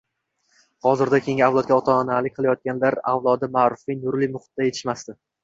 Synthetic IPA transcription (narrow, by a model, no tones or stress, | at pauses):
hɒzɪɾd̪akʲʰe̞ŋʲɪawlˠɒt̪̚ɡʲaɒt̪ʰɒːnalɪk̚ʲqʰɨlˠajɒt̪̚kʲanlaɾa̰wlˠɒd̪ɪmaːɾʊfinʊɾlɪmʊχʊ̥t̪̚d̪aje̞t̪ʰɪʃmast̪ɪ